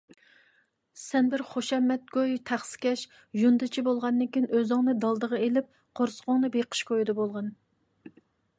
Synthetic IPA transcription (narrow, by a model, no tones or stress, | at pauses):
sɛnbɪɾχoʃɛmːɛt̪̚ɡʲojt̪ʰæχsɪ̥kʲʰɛʃ | ʒund̪ɨt͡ʃʰibolˠʁɑnːɨŋkʲijnʔøzɨŋnɨd̪ɑlˠd̪əʁəelɪp̚ | qʰoɾsə̥ʁʊŋnɨbeqʰə̥ʃkʰojid̪ɨbolˠʁɑn